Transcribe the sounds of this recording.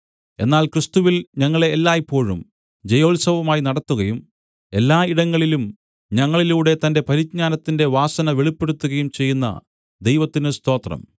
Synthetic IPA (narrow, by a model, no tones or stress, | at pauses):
e̞̰nːaːlkrɨst̪uʋilɲɐŋːɐɭe̞ːlːaːjipːo̞ːɻum | d͡ʑejo̞ːlsɐʋɐmaːjinɐɽɐt̪ːuɣɐjum | e̞lːaːiɽɐŋːɐɭilum | ɲɐŋːɐɭiluːɽe̞t̪ɐnde̞pɐɾit͡ɕ̚ɲaːnɐt̪ːinde̞ʋaːsɐnɐʋeɭipːe̞ɽut̪ːuɣɐjumt͡ɕe̞jːunːɐ̰ | d̪ejʋɐt̪ːinɨst̪o̞ːt̪rɐ̰m